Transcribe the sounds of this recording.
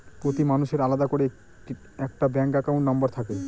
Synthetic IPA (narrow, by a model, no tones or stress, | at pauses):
pɾot̪imanuʃeɾalad̪akoɾe | ʈi | ɛk̚ʈabɛŋkakaw̃ɳʈnɔmbaɾt̪ʰake